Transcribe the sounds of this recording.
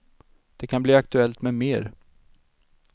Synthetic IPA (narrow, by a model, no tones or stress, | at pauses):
d̪̥ɛkʰanbliːak̚t̪ɵɛlt̪mɛmeːɾ